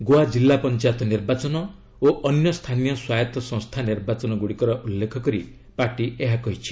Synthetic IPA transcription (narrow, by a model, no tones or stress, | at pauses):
ɡoad͡ʒilːapɔnt͡ʃajt̪ɔniɾbat͡ʃɔnɔ | oʔɔnjɔst̪ʰanijɔswajɔt̪ɔsɔ̃ŋ̃st̪ʰaniɾbat͡ʃɔnɔɡuɽikɔɾɔʔulːekʰɔkɔɾi | paɾʈieɦakɔɦit͡ʃʰi̥